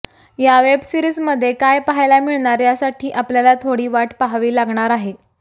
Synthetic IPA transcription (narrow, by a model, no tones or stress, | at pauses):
jaʋebsiɾizməd̪ʱːjekajpaɦajlamiɭɳaɾjasaʈʰiːʔapljalat̪ʰoɽiːʋaʈpaɦaʋiːlaɡɳ̃aɾaɦe